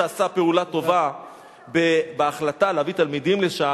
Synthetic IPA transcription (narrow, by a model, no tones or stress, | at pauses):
asape̞ulat̪o̞va | bebeaχlataleavit̪almid̪imleʃa